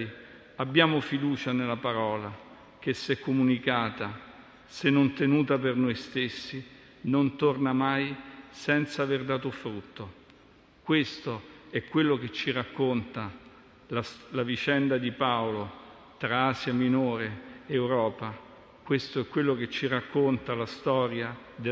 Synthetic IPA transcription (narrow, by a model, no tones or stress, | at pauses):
j | abːjaːmofid̪uːt͡ʃanelːapaɾɔːla | k̟esːɛkːomunikaːt̪a | senːont̪enuːt̪apernojst̪esːi | nont̪ornamajsɛnt̪saːverd̪aːt̪ofɾut̪ːo | kwest̪oɛkːwelːoket͡ʃːirakːont̪a | lalavit͡ʃɛnd̪ad̪ipaolo | t̪ɾaaːzjaminoːɾeewɾɔːpa | kwest̪oɛkːwelːok̟et͡ʃːirakːont̪alast̪ɔːɾja | d̪e